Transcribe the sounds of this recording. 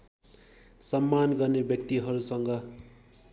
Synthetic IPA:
sʌmːanɡʌrnebjʌkt̪iɦʌɾusʌŋɡʌ

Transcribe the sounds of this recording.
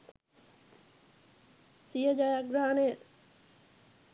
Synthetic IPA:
sijəd͡ʒajaɡɾaːne

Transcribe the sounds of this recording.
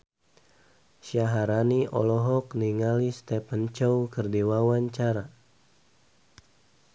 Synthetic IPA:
ʃaɦaɾaniʔɔ̰lɔɦɔkniŋalist̪ɛpənt͡ʃɔwkərdiwawaɲt͡ʃaɾa

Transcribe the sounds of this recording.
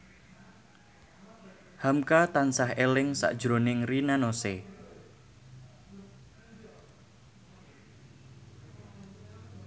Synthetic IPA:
hamkat̪ansahelɪŋsa̰ʔd̥ʒ̥ɾonɪŋrinanose

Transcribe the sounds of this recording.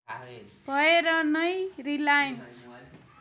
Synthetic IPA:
bʱʌeɾʌnʌjrilajn

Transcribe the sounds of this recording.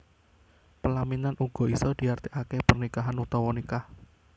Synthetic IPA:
pəlaminanuɡ̥ɔ̤isɔd̪̥i̤art̪iʔakepərnikaɦanut̪ɔwɔnikah

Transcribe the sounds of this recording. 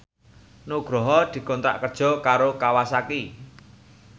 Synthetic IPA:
noɡ̥ɾɔɦɔd̪̥i̤kɔnt̪ɾa̰ʔkərd̥ʒ̥ɔ̤kaɾokawasaki

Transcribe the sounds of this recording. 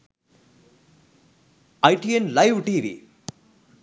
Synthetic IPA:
ɐjʈienlɐjʋʈiːʋḭ

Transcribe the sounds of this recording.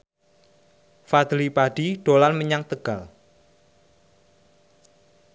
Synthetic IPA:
fad̪lipaɖ̥iɖ̥olanməɲaŋt̪əɡ̥al

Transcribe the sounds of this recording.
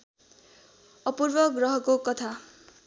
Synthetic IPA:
ʌpurbʌɡrʌɦʌkokʌt̪ʰa

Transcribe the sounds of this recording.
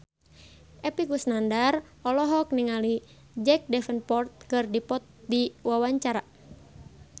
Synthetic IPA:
ʔɛpikusnandar | ɔlɔɦɔk̚niŋali | d͡ʒɛk̚dɛfənpɔrt̪̚kɨrdipɔt̪̚diwawaɲt͡ʃaɾa

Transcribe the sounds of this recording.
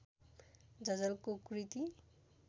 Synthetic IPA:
d͡zʌd͡zʌlkokɾit̪i

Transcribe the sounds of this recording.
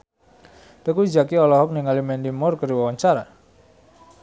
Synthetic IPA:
t̪əkud͡ʒakiɔlɔɦɔk̚niŋalimɛndimɔrkəɾiwawaɲt͡ʃaɾa

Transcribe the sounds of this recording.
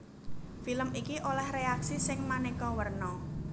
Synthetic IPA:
filəmikiʔolɛhreaksisɪŋmanekɔwərnɔ

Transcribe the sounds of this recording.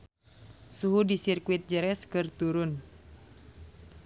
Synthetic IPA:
suɦudisirkuit̪̚d͡ʒəɾɛskɨrt̪uɾʊn

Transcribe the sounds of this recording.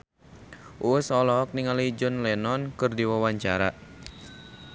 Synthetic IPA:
ʔuwəsɔlɔɦɔk̚niŋalid͡ʒɔnlɛnɔnkɨrdiwawaɲt͡ʃaɾa

